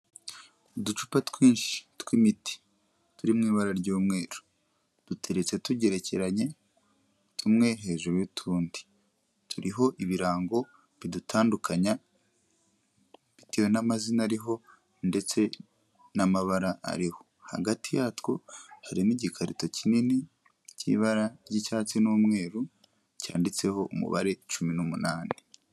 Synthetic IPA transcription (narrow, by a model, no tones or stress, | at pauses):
udut͡ʃu̥patwiːnʃi̥tkwimiti̥ | tuɾimŋiːβaɾaɾɟuːmŋe̞ːɾu̥ | d̥utʰe̞ɾe̞t͡se̞tuɟe̞ɾe̞ce̞̰ɾaɲe̞ | tʰumŋe̞ɦe̞ʒuɾuwitʰuːndi̥ | tʰuɾiɦo̞ʔiβiɾaːŋɡo̞ | βidutʰaːndukʰaɲa | βitijonamazinaɾiɦo̞ | nde̞t͡se̞ | namaβaɾaʔa̰ɾiho̞̥ | ha̰ɡatijatwohaɾiniɟikʰaɾḭto̞cinini | cḭβaɾaɟicaːt͡sinuːmŋe̞ːɾu | ca̰ːndit͡se̞ho̞ʔumṵβa̰ɾe̞t͡ʃuminumunaːni